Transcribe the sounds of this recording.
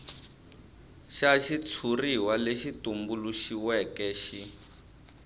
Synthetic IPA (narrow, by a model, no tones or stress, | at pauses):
ʃaʃit͡sʰuriwaleʃitumbuluʃiwɛkɛʃi